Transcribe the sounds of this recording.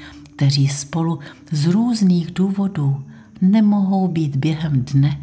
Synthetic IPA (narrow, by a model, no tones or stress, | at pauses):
k̚t̪ɛr̝iːspo̞luzɾuːzniːɣduːvo̞duː | nɛmo̞ɦo̞wbiːd̪bjɛɦɛmdnɛ